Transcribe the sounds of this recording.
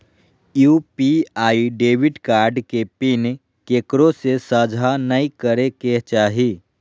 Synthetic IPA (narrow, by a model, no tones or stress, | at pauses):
juːpiaːiɖeːʋɪɖkaːɾɖkepɪn | keːkɾõsesəd͡ʒʱanəikəɾeket͡ʃaːɦiː